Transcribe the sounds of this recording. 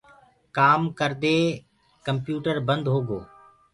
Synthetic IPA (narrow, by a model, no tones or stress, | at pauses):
kaːmkəɾd̪eː | kəmpjuːʈəɾbənd̪ɦoːɡoː